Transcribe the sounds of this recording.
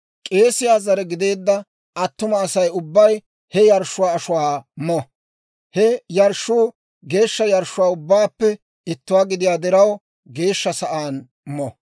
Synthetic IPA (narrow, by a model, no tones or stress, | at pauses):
kʼe̞ːsɪjaːzɐɾɛɡɪd̪e̞ːd̪ːɐ | ʔɐt̪ːʊmɐːsɐjʊbːɐj | hɛjɐɾʃːʊwaːɐʃʊwaːmɔ | hɛjɐɾʃːʊː | ɡe̞ːʃːɐjɐɾʃːʊwaːʊbːaːpːɛ | ɪt̪ːʊwaːɡɪd̪ɪjaːd̪ɛɾɐw | ɡe̞ːʃːɐsɐʔaːn | mɔ